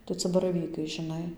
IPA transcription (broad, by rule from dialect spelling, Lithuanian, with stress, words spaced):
tɐɪ ˈt͡sɐ bɐrɐˈʋʲiːkɐɪ ʒʲɪˈnɐɪ